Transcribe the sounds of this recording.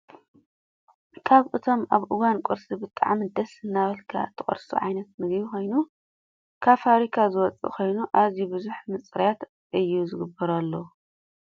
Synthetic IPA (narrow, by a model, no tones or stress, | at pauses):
kʰaβʔɨt̪ʰo̞maβʔɨwankʼoɾsibɨt̪ʼa̰ʕmid̪ɐsɨnːaβɐlkʰa̰t̪ʰːɨχʼɐ̰ɾsṵʕa̰jnɐt̪̚mɨɡβixʰo̞jnu | kʰaβfaβɾikʰazɨwɔt͡sʼḭkʰo̞jnuʔazibɨzuħmɨt͡sʼɨɾjat̪ | ʔɨjːuzɨɡɨbːɐɾɐlːo